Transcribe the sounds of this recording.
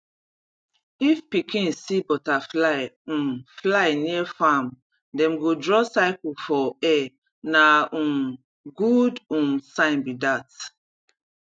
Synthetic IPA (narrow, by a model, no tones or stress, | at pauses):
ifpikĩnsibɔtaflaɪũflaɪniɛfam | dɛ̃mɡodɹɔsaɪkufɔɛ | naũ | ɡudũnsãnbidat